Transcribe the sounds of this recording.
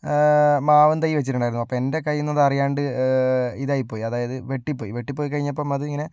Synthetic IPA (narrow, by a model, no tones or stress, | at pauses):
maːʋɐnt̪ɐjːiʋɐt͡ɕːiʈ̬ːuɳɖaːjiɾnːuɐpːome̞nde̞kɐjːunːɐðɨɐrijaːɳɖɨ | iðaːjipːoːjiɐðaːjɐðɨʋe̞ʈːipːo̞ːjiʋe̞ʈːipːo̞ːjik̬ɐɻiɲːɐpːomɐðuiŋːɐne̞